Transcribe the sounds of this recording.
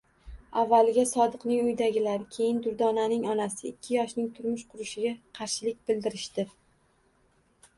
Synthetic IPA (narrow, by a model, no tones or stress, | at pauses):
avːalɪɡʲasɒd̪ɨqnɪŋʊjd̪aɡʲɪlaɾɪkʲʰe̞jɪnd̪ʊɾd̪ɒnanɪŋɒnasɪɪkʲʰːɪjɒʃnɪŋt̪ʰʊɾmʊʃqʰʊɾɪʃɪɡʲaqʰɑɾʃɪlɪk̚ʲbɪld̪ɪɾɪʃt̪ɪ